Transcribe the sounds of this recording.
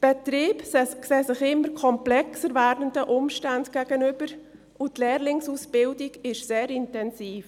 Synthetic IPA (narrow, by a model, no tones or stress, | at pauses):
b̥ɛtɾiːbskseːsɪχɪmːəɾkʰɔmplɛksəɾvæːɾdəndəʔʊmʃtandɡ̥æɡ̥ənʏb̥əɾ | ʔʊtleːɾlɪŋsuːsb̥ɪldɪɡɪʃseːɾɪntɛnsiːf